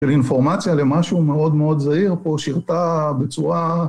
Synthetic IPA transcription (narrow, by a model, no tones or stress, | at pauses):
elinfo̞ʁmat͡sjale̞maʃume̞o̞d̪me̞o̞d̪zaiʁpo̞ʃiʁt̪abe̞t͡suʁa